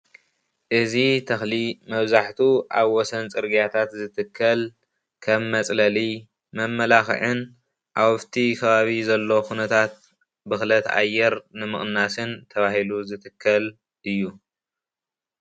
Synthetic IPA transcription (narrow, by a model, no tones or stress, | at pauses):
ʔɨzit̪ʰɐxlimɐβzaħt̪ʰuʔa̰βwɔsɐnt͡sʼɨɾɡijat̪ʰat̪zɨt̪ʰɨkʰːɐl | kʰɐmːɐt͡sʼlɐli | mɐmːɐlaxɨ̰ʕɨn | ʔawɔft̪ʰikʰɐβaβizɐlːo̞kʰunɐt̪ʰat̪̚ | bɨxlɐt̪a̰jːɛɾnɨmɨχʼnːasɨnt̪ʰɐβahiluzɨt̪ʰɨkʰːɐl | ʔɨjːu